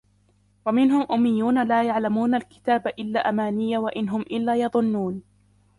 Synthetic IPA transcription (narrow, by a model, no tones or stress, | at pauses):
wamɪnɦʊmʔʊmːɪjːuːnalaːjaʕlamuːnalkɪ̥t̪aːbaʔɪlːaːʔamaːnɪjːawaʔɪnɦʊmʔɪlːaːjɑðˤʊnːuːn